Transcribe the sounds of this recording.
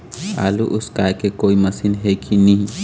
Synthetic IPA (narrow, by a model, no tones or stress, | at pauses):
a̰luʔuskakekojmɐsinɦekʰiniɦ